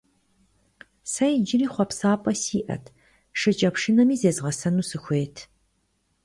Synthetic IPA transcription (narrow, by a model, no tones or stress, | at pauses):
sɐjd͡ʒɪriːχʷɔpsaːpʼɐsiːʔɐ̰tʰ | ʂɨt͡ʃʼɐpʂɨnɐmiːzeːzʁɐsɐnuːsɨxʷeːtʰ